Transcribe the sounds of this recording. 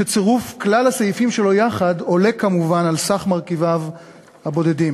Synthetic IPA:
ʃet͡seʁufklalhasajifimʃe̞lo̞jaχado̞le̞kamuvanalsaχmaʁkivav | habo̞dedim

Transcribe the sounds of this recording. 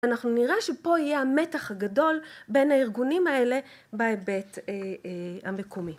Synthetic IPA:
anaχnuniʁaʃepo̞ijeame̞taχhaɡado̞lbe̞nhaiʁɡunimae̞le̞ | baebe̞teamekumi

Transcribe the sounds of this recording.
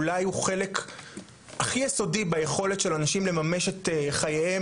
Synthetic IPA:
lajuχe̞lek | aχijeso̞dibejeχo̞le̞t̪ʃe̞lanaʃimle̞mameʃeteχajee

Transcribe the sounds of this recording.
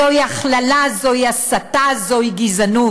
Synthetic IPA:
ojaχlalazojasatazojɡizanu

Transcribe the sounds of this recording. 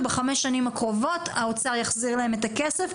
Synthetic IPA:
beχameʃːanimakʁo̞vo̞taot͡saʁjaχziʁlahe̞me̞takesef

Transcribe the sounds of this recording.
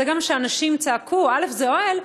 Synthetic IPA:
eɡamʃeanaʃimt͡saːkʰuale̞fzeoe̞l

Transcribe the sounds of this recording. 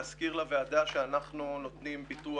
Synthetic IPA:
askiʁlavead̪aʃeanaχnuno̞t̪nimbit̪u

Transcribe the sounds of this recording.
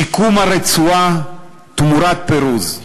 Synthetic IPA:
ikumaɾet͡sua | t̪umuɾat̪̚peɾuz

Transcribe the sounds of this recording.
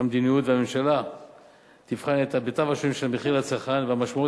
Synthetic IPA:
amd̪inijut̪veamemʃala | t̪ifχanet̪abet̪avaʃemʃelmeχilat͡saχanveamaʃmau

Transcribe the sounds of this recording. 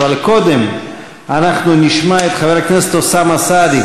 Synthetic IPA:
valko̞d̪em | anaχnuniʃmaet̪χaveʁakneset̪osamasad̪i

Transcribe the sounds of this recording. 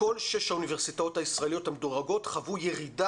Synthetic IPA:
ko̞lʃe̞ʃhaunive̞ʁsitao̞thaisʁaelijo̞thamedoʁaɡo̞tχavujeʁida

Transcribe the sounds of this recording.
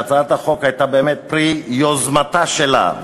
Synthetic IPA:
t͡saat̪haχo̞khajt̪abeːmet̪̚pʁijozmat̪aʃela̰

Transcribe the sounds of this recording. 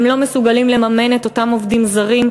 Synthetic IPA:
mlo̞me̞suɡalimle̞mame̞net̪o̞tamo̞vdimzaʁim

